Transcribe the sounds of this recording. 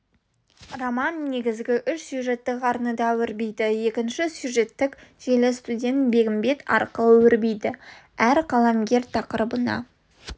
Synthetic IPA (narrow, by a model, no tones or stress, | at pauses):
romɑnːe̞ɡʲɪzɡʲɪʔʏʃsjuʒe̞t̪ːɪkɑɾnəd̪ɑwɪɾbejd̪ɪje̞kʲɪnʃɪsjuʒe̞t̪ːɪkʒ̥elɪst̪udʲe̞nt̪be̞ɡʲɪmbe̞t̪ɑ̰ɾqəwɪɾbejd̪ɪ | æɾqʰɑlˠɑmɡʲe̞ɾt̪ʰɑqəɾəbənɑ̰